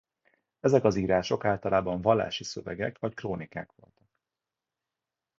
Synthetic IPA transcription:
ɛzɛkɒziːɾaːʃo̞kaːlt̪ɒlʔaːbɒɱvɒlːa̰ːʃisøvɛ̰ɡɛkvɒckroːnikaːkʋo̞̰lt̪ɒ̥k̚

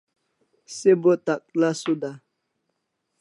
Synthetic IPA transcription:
sebotak̚lasuda

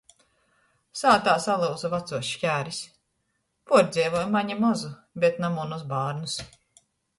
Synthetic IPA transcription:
saːt̪aːsalˠɨwzuvat̪suʃkʲæːɾis | puɔɾd̪zʲiːvɔjmaɲimɔzu | bʲet̪namunuzbaːɾnus

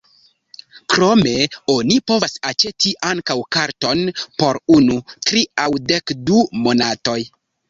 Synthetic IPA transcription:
kɾo̞me̞onipo̞vasat͡ʃe̞tiʔaŋkawkaɾto̞npo̞ɾunutɾiawdekdumo̞nato̞j

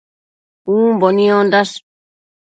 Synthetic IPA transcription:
ũːmbonĩõnd̪as

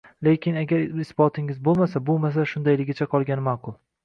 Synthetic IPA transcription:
lekʲɪnaɡʲaɾɪsbɒt̪ʰɪŋɪzbolˠmas̬abolˠmas̬aʃʊnd̪ajlɪɡʲat͡ʃʰaqʰɒlˠɡʲanɪmaqʰʊlˠ

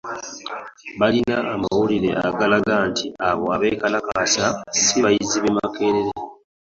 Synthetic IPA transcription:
βalinaːmawuliɾe̞̰a̰ɡalaɡantʰiaβoaβe̞kalakasasiβajiziβe̞makʰe̞ːɾeɾe

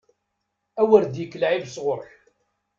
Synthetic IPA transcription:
æwəɾd̪jəkːəlʕivsʁʊɾˤl

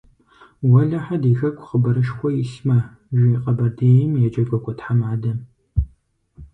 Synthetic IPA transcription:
wɐɮɐħadiːxɐkʷʰʼχəbɐɾɨʃxʷɔjɪɬmɐ | ʒʷiqʼɐbɐdeːjɪmjɛd͡ʒɐɡʷʼɐkʷʼɔtħamaːdɐm

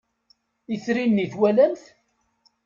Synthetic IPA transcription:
iθɾinːiθwælæmθ

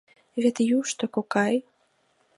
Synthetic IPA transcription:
vʲɛt̪juʂt̪ɔkɔkaj

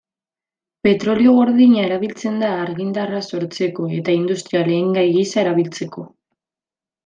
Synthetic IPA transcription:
pe̞t̪ɾo̞lio̞ɣo̞ɾðiɲae̞ɾaβilt͡se̞nd̪aːɾɣind̪araso̞ɾt͡se̞ko̞e̞t̪aind̪ust̪ɾiale̞ːŋɡajɣisae̞ɾaβ̞ilt͡se̞ko̞

